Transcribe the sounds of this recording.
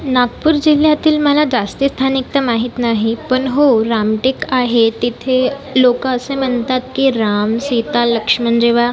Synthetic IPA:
naɡpuɾd͡ʑiljat̪iːlməlad͡zast̪ist̪ʰanik̚t̪əmaɦit̪naɦipəɳɦoɾamʈikaɦet̪it̪ʰelokaəsem̤əɳt̪at̪̚kiɾamsit̪aləkʂmənd͡ʑeʋa

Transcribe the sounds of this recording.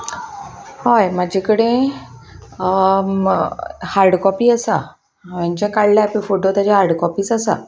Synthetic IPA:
hɔjmad͡ʑʱekəɽẽ | haɾɽkɔpiːasa | maɲt͡ɕakaɭlapẽfoʈot̪jad͡ʑaɦaɾɽkɔpiːsasa̰

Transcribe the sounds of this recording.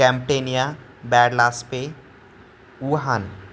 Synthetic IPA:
kɛ̃mʈeːnijabɛːɽlaːspe | uːɦan

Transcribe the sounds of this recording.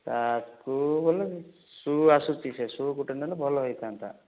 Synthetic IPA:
sat̪kubolɔi | suasut͡ʃisesukuʈend̪anɔbʱɔlɔɦɔjt̪ʰant̪a̰

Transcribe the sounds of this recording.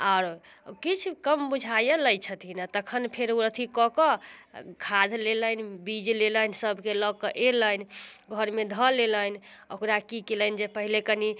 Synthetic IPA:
aʊɾ | kit͡ʃʰkəmbud͡ʒʱajələjt͡ʃʰət̪ʰinat̪əkʰənpʰeɾuɾət̪ʰikɔkɔkʰad̪ʱlelənbid͡ʒleləjnsəbʱkeləkəʔeləjnɡʱəɾmed̪ʱəlelənokɾakikelənd͡ʒepəɦilekəni

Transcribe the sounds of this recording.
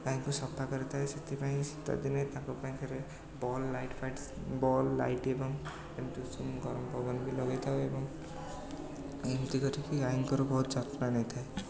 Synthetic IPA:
kajĩkusɔpʰːakɔɾit̪ʰaeset̪ʰipaĩsi̥t̪a̰d̪inejt̪ãkupaĩkʰaɾe | bɔlːajʈpʰajʈ | bɔlːa̰jʈebɔŋ | ent̪usumɡɔɾɔmpɔɡɔnbʱilɔɡajt̪ʰaebɔŋ | ent̪ikɔtʰikiajiŋkɔɾubɔɦut̪d͡ʒat̪nanʌj̃t̪ʰae

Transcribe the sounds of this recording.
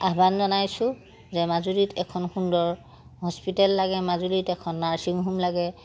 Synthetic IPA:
abanzɔnajsʊ̃ | zɛmazuɹitʰɛkʰɔnxundɔɹ | ɦɔspitɛlːaɡɛmazulitɛkʰɔnːaɹsiŋɦumlaɡɛ

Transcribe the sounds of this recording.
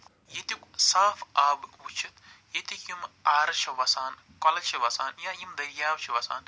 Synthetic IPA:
jet̪iksaːfaːbut͡ʃʰit̪jet̪ikimaːɾɐt͡ʃʰɐʋɐsaːn | kɐlɐt͡ʃʰɐʋɐsaːnjaːjimd̪ɐɾjaːwt͡ʃʰiʋɐsa̰ːn

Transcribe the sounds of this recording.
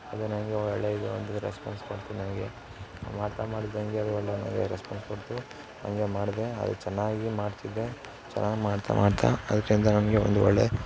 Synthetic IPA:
ɐd̪unɐnɡeɔɭːeid̪eond̪uɾḛspa̰ːnskoɽt̪inɐnɡe | maːɖt̪amaːɽid̪ɐŋɡeɐd̪uʋɔɭːenɐ̰ŋɡeɾespaːnskoɽt̪u | nɐ̰ŋɡemaːɽd̪e̞ɐ̰d̪ṵt͡ʃɛnːaːɡimaːɖt̪id̪ːe̞ | t͡ʃɛ̰nːaːɡimaːɖt̪ʰa̰mʔaːɖt̪ʰa̰ɐd̪ɐkːɐind̪ɐnɐnɐɡeond̪uʋɔ̰ɭːe

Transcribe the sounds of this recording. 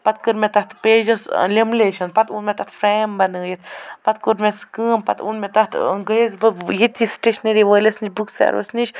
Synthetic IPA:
pat̪̚kəɾmɛt̪aht̪ped͡ʒəslʲemleʃɐnpat̪unmɛt̪aht̪fɾɛmbanəjit̪pat̪̚kuɾmʲɛskɨmpa̰t̪ṵnmɛt̪aht̪iŋɡɾezbəjit̪ʰisʈeʃneɾiʋəlʲesniʃbuksɛ̰ɾʋə̰sniʃ

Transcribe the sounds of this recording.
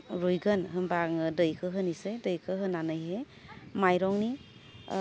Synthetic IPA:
ɾujɡɯnɦɯmbaŋdɯjkʰɯɦɯnisedɯjkʰɯɦɯnanajɦe | majɾɔŋni

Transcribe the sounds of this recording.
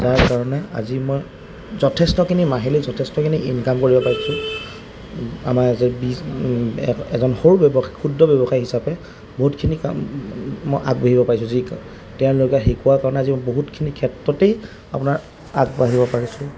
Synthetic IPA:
taɹkaɹɔnɛa̰zimoj | zɔtʰɛstɔkʰinimaɦelizɔtʰɛstɔkʰiniʔinkamkoɹibɔpaɹisʊ̃ | a̰mazbi | ɛzɔnxoɹubɔbɔxajxʰudɹɔbɔbɔxajɦisapɛ | boɦutkʰinika̰ | mɔjʔa̰k̚baɦibɔpaɹis̬ʊ̃zik | tɛʊ̃lokaxikuwaɹkaɹɔnɛazimɔjboɦutkʰinikʰɛtɹɔtej | a̰pʊnaɹ | akbaɦibɔpaɹisʊ̃

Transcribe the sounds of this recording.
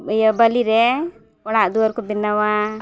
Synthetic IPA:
jabəliɾɛ | ɔɽ̃aʔd̪uaɾkɔbinawa

